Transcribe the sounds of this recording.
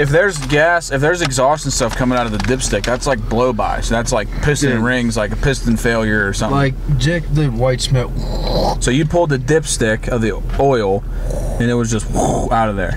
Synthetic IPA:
ɨfðə˞zɡæsɨfðə˞zɨɡzɔstn̩stʌfkʰʌ̃mɪ̃ŋaʊɾʌvðɨdɪpstɪk̚ðætslaɪk̚b̥loʊba̰ɪsðætslaɪk̚pʰɪstɨ̃nɹɪ̃ŋzlaɪkəpʰɪstn̩feɪlˠjə˞ːsʌ̃mlaɪk̚d̥ɪk̚ðɨwaɪtsmɪt̚w | soʊjɨpʰʊlˠd̪̚ðɨdɪpstɪkʰʌvði | ɔɪlˠ | ɨ̃nɨt̚wʌzd͡ʒʌst̚wuaʊɾʌvðə̰˞

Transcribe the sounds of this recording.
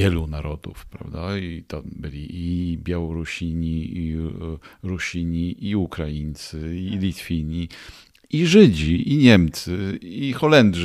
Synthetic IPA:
jɛlunaɾɔd̪ṵfpɾa̰vd̪ait̪ɔbɘlʲiibʲjawɔɾuɕiɲii | ɾuɕiɲiʔiukɾajint̪sɘilʲit̪fʲiɲi | iʐɘd͡ʑiʔiɲɛmt̪sɨixɔlɛnd̪ʐ

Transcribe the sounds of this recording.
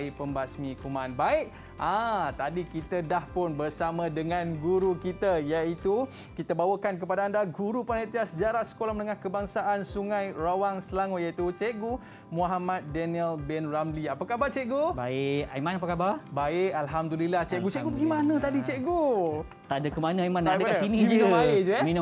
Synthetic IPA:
ipəmbasmĩkumanbaɪʔ̚ | ʔãt̪adikit̪ədahpʊnbərsamãdəŋãnɡuɾukit̪əjait̪u | kit̪əbawəkank̬əpadaːndaɡuɾupanat̪iasəd͡ʒaɾasə̥kolahmənəŋahkəbaŋsaʔansuŋãjrawaŋsəlaŋojait̪ut͡ʃɛʔɡu | muɦamat̪̚dɛniəlbɛnramliapakabat͡ʃɛʔɡubaɪʔaimãnap̬akababaɪʔalɦamdulilaht͡ʃɛʔɡut͡ʃɛʔɡubəɡimanə̃t̪adit͡ʃɛʔɡu | t̪adəkəmanaajmanadakasinĩid͡ʒənaed͡ʒmin

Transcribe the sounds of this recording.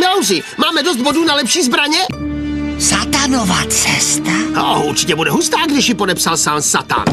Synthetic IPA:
mɛawzɪmaːmɛdozd̪̚bodunalɛpʃiːzbɾaɲɛ | sat̪anovaːt͡sɛst̪ao̰uɾt͡ʃɪ̥cɛbudɛɦust̪aːɡdɪʃjɪpodɛpsalsaːnsat̪a̰n

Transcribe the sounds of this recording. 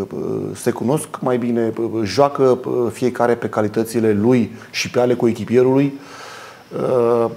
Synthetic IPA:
se̞kuno̞skmajbine̞ʒoakəfije̞kaɾe̞pe̞kalit̪ət̪sile̞lujʃipeale̞kuekʲipije̞ɾuluj

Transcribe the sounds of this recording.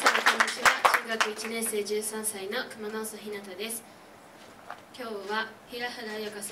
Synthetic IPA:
t̪onokõot͡ɕiβat͡ɕɨːɡakɯ̟it͡ɕinẽɰse̞ːd͡ʑɨːsãɰ̃saino̞kɯ̟manoːsaçinat̪ad̪e̞sɨ̥ | kʲo̞ːβaçiɾahad̪ajakasa

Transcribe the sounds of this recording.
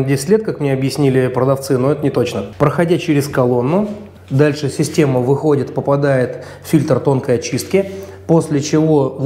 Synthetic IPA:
dʲesʲɪtʲlʲet̪̚kakmnʲeɐbjɪsʲnʲilʲɪpɾəd̪ɐft̪sɨno̞ɛt̪ənʲɪt̪o̞t͡ɕnəpɾəxɐdʲat͡ɕeɾʲɪskɐlˠo̞nːʊ | d̪alʲʂɨsʲɪsʲtʲe̞məvɨxo̞dʲɪt̪pəpɐd̪ajɪt̪ | ffʲilʲt̪rt̪o̞nkəjɐt͡ɕist̪̚kʲɪ | po̞sʲlʲɪt͡ɕɪvo̞

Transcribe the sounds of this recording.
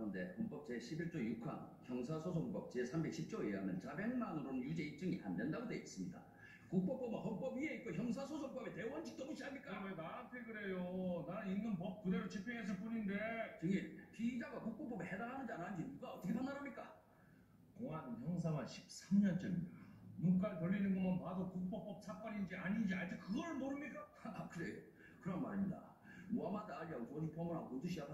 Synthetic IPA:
kɯʌnde̞hʌnp͈ʌp̚t͡ɕe̞ɕʰibiɭt͡ɕ͈ojukʰa̰nçjʌŋsʰasʰosʰoŋukp͈ʌp̚t͡ɕesʰambe̞k̚ɕʰip̚t͡ɕ͈oɦamjʌnt͡ɕabe̞ŋmanɯɾonɯnjud͡ʑe̞ip̚t͡ɕ͈ɯŋiʔa̰ndʌndaɡodeis͈ɯmɲida̰ | kuk̚p͈ʌp͈ʌmahʌnp͈ʌbieit̚k͈oçjʌŋsʰasʰosʰoŋp͈ʌbete̞wʌnd͡ʑʰi̥k̚t͈omuɕʰiamɲik͈aenaantʰeɡɯɾe̞jonanɯninːɯnp̬ʌp̚kude̞ɾot͡ɕʰipʰjiŋɦes̬ʰʌp̬͈uɲindet͡ɕɯŋiɭkiid͡ʑaɡakuk̚p͈ʌp͈ʌbehedaɾɦanɯndanand͡ʑimuɡaʌt͈ʰʌkʰepʰaŋdanɦamɲik͈a | koŋanɯnçjʌŋs̬ʰaŋanɕʰi̥p̚s͈ʰamɲʌnt͡ɕ͈ʌɾinuk͈aɾɯtʌɭːinɯnɡoŋanpadokuk̚p͈ʌp͈ʌp̚sʰak͈waɲind͡ʑiaɲind͡ʑiad͡ʑik̚kɯɡʌɾɯɭmoɾɯmɲik͈a | kɯɾe̞jo | kɯɾʌnmaɾiɲida̰ | moamadaːʎjʌŋkʌɲipʰoamoɾaŋkondɯɕ̬ʰiapʰa

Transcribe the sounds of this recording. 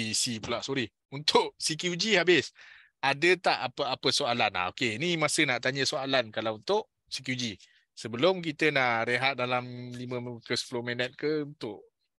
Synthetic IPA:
sipulaʔsoɾɪh | unt̪ʊʔsikjud͡ʒihabɪs | adət̪aʔapəapəsoalana̰okenimasənaʔt̪aɲəsoalankalawunt̪ʊʔ | sik̬jud͡ʒi | səbəlʊmk̬it̪ənaʔɾeɦat̪̚dalamlimə̃mkəspulomenət̪̚kəunt̪ʊʔ

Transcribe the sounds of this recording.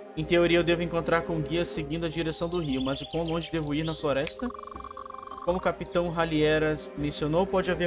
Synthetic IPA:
ẽj̃t̪eoɾiɐewd̪evʊẽŋkõnt̪ɾaɾkõw̃ɡiɐseɡĩnd̪ʊɐd͡ʒiɾesɐ̃w̃d̪ʊɦiʊmɐzʊpõlˠõʒɪd̪evʊiɾnɐfloɾɛst̪ɐ | kõmʊkapit̪ɐ̃w̃ɦaliɛɾɐmẽsionowpɔd͡ʒɪave

